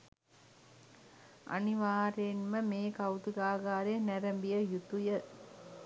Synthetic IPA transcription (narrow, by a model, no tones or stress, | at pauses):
a̰niʋaːɾenməmeːkaut̪uɡaːɡaːɾejnæɾəmbijəjut̪ujə